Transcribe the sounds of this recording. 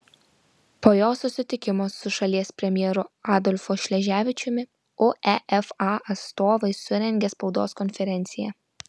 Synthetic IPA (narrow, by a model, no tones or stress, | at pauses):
poːjoːsʊsʲɪt̪ʲɪkʲɪmosʊʃɐlʲiɛspʲɾʲɛmʲjɛːɾʊɑːd̪ɔlʲfɔʃʲlʲɛʒʲæːʋʲɪt͡ʃʲʊmʲɪ | oːʔɛʔɛfɑʔɐt̪st̪oːʋɐɪsʊɾʲɛŋʲɡʲɛspɒʊd̪o̰ːskɔnʲfʲɛɾʲɛnʲt̪sʲɪjɛ